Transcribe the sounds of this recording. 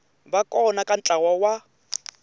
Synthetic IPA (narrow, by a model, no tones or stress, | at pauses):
bakʼɔnakʼan̩t͡ɬʼawawa